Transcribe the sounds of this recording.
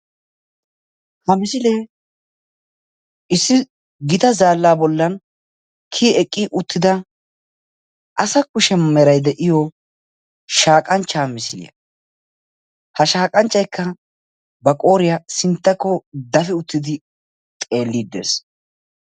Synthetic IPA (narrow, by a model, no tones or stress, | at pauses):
hɐmɪsɪleː | ʔɪsːɪ | ɡɪt̪ɐzaːlːaːbɔlːɐn | kʰiːɛkʼːiʔʊt̪ʰːɪd̪ɐ | ʔɐsɐkʊʃɛmɛɾɐjd̪ɛʔɪjɔ | ʃaːkʼɐnt͡ʃːamɪsɪlɪ̰ɐ | hɐʃaːkʼɐnt͡ʃʼːɐjkʰːɐ | bɐkʼo̞ːɾɪjasɪnt̪ːɐkːɔd̪ɐfɪʊt̪ːɪd̪ɪ | t̪ʼe̞ːlːid̪ːḛːs